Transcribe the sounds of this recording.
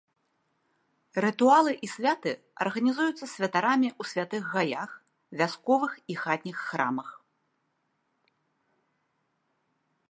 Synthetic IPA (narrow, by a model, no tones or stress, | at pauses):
ɾɨt̪ualˠɨʔisʲvʲat̪ɨ | ɐ̰rɣɐnʲizujut̪sːɐsʲvʲɐt̪aɾamʲiʔusʲvʲat̪ɨɣːajax | vʲaskɔvɨxixat̪̚ʲnʲixːɾa̰mɐx